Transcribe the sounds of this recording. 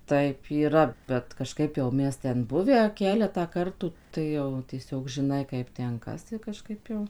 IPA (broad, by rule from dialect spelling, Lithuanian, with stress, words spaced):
ˈtɐɪp iːˈrɐ bʲɛt kɐˈʃkɐɪp jɛʊ ˈmʲɛs ˈtʲɛn ˈbʊʋʲæː ˈkʲæːlʲɛtɑː ˈkɐrtuː ˈtɐɪ jɛʊ tʲiɛˈsʲoːk ʒʲɪˈnɐɪ ˈkɐɪp ˈtʲɛn ˈkɐs ɪ kɐˈʃkɐɪp jɛʊ